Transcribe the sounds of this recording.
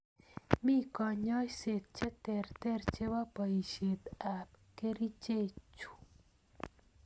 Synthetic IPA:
mi˦kɔ˨ɲɔ˦jse˨t̪̚t͡ʃe˦t̪ɛ˨rt̪ɛ˦rt͡ʃe˦wa˦pa˨i˨ʃe˨t̪a˨pke˦ɾi˦t͡ʃe˦˨t͡ʃu̥˨

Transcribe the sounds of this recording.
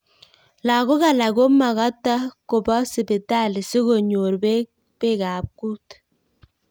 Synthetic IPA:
la˨ɣo˦ɣa˨la˨ɣo˦ma˨ɣa˦ta˦ko˨ba˦si˨be˨ta˦˨li˨si˦ɣo˨ɲo˨ɾbe˦ | b̥e˦˨ɣa˨p̚ku˦t

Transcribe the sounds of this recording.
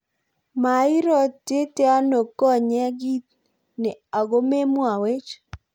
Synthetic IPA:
ma˨ɪ˦ɾɔ˦te˦tɛ˦a˦no˨kɔ˦˨ɲɛ˦ɡi˦t̪̚ | nɪ˨a˨ɡo˦me˦mwa˨we˦t͡ʃ

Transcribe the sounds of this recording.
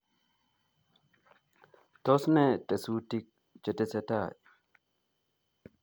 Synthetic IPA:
to˦sne˦te˨su˦ti˦k̚ | t͡ʃe˨te˨se˦ta˦˨

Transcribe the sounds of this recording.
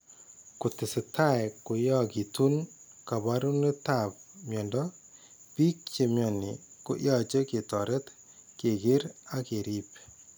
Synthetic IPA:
ku˨tɪ˨sɪ˨ta˦˨ɛku˨jɔ˦ki˨tu˦nka˨ba˦ɾu˦ne˦ta˨p̚mjɔ˨ndɔ˦ | pi˦k̚t͡ʃe˨mjɔ˨ni˨kʊ̰˦ʔjɔ˦t͡ʃe˦ke˨tɔ˨ɾe˦t | ke˨kɪ˦ɾa˦ke˨ɾi˦p

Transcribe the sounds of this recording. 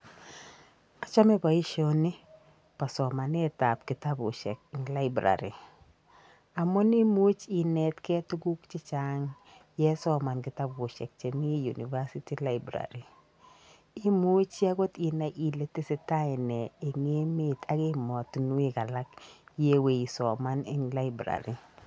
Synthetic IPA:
a˨t͡ʃa˦mɪ˦ba˨i˦ʃɔ˦nɪ˦ | pa˨sɔ˨ma˨nɛ˦ta˨p̚kɪ˨ta˦bʊ̰˨ʃɛ̰˨k̚ŋla˦ɪbɾa̰˨ɾḭ˨ | a˨mɔ˦ni˦mu˦t͡ʃi˨nɛ˨tkɛ˦tʊ˦ɡu˦kt͡ʃɪ˦t͡ʃa˦ŋ | jɛ˦sɔ˦ma˨nkɪ˨ta˦bʊ˨ʃɛ˨k̚t͡ʃe˨ni˦ju˨ni˨va˦si˦ti˦la˦ɪbɾa̰˨ɾi˨ | ɪ˦mu˦t͡ʃa˦ɡo˦ti˨na˨ʔi˨le˨˦tɪ˦sɪ˨ta˦ɪ˨nɛ˨e˨ŋe˦me˦tʰa˨kɪ˦mɔ˨tnu˦ɪ˦ka˨la˦kje˦we˨i˨sɔ˨ma˦nɪ̰˦ŋla˦ɪbɾa̰˨ɾi˨

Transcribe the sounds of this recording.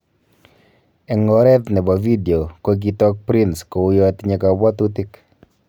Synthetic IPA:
ɛ˨ŋɔ˦ɾɛ˦t̪nɛ˨bɔ˨vi˦de˨o˨ko˦ɡi˨tɔ˦k̚pɾɪ˦nsko˨ʊ˦jɔ˦t̪ɲɛ˨ka˨bɔ˦t̪u˦tɪ˦k

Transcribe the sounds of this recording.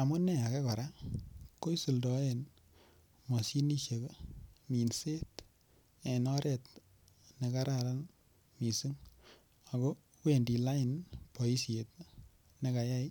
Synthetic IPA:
a˨mʊ˦nɛ˦a˨kɛ˦kɔ˨ɾako˦jsu˨ldɔ˨en | mɔ˨si˦ni˦ʃe˨kmi˨nse˦t | e˨nɔ˦ɾʔɛ˨t̚ | ne˨ka˦ɾaɾan | mi˨su˦ŋ | a˨ko˦ | wendi˨la˦ɪnpɔ˨i˦set̚ | ne˦ka˨ja˦i˦

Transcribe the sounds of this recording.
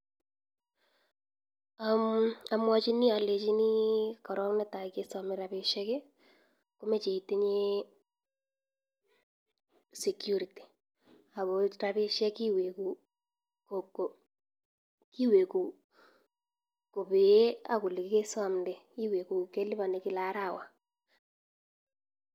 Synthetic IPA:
a˨ma˨mwɔ˦t͡ʃi˦ni˦a˨le˨t͡ʃi˦ni˦kɔ˨ɾɔ˦kne˦ta˨ike˦sa˨me˨ɾa˨βe˨ʃɛ˦ke˦ | ko˦me˦t͡ʃe˨i˨te˦ɲe˦ | se˨kju˦ɾi˨ti̥˨ | a˨βo˨ɾa˦βe˦ʃɛ˦ki˦we˨ku˨ | ko˨ko˨ | ki˦we˨ku˨ | ko˨βe˨je˦a̰˦ku˨le˨kɪ˦ke˦sa˦˨mde˨i˦we˨ku˨ke˦li˦βa˨ne˨kɪ˦la˨˦ɾa˨wa˨

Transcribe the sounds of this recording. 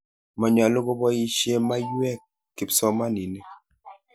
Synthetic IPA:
ma˨ɲ˨a˨lo˦ɡo˦bɔ˦i˦ʃje˦ma˦ju˦ɛ˦kː | i˨psɔ˦ma˦ni˨ne˦

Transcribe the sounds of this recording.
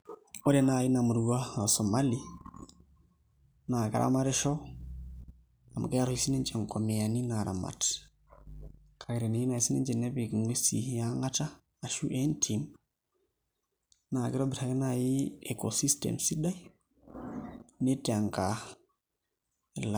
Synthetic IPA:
o˦ɾe˨na˨ji˦na˨mu˨ɾu˨ɡa˦a˨so˨mali˦ | na˨ɡa̰˦ɾʔa̰˦ma˦ɾe˦ʃo˦ | a˨m˨ka˦ja˦ɾoisi˦ne˦nt͡ʃe˨ŋko˨me˨a˨ni˦naɾa̰˨ma̰˨t | kʰaɡi˨ɾe˨ne˨ji˦na˨i˨si˦nḛ˦d͡ʒe˨ne˦bi˨kŋe˦sḭja˦ŋa˦ta˦ | a˨ʃu˦ʔe˦ntʰim | naː˨ɡi˦ɾo˦bi˨ɾaɡi˦naji˦ekosi˦stḛmsi˦da˦j | ne˦ta˨ŋka | la

